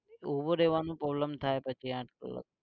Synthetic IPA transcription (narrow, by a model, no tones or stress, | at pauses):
uboɾeːʋanũpɾoːbləmt̪ʰaepət͡ʃʰiãːʈkə̰lə̰k̚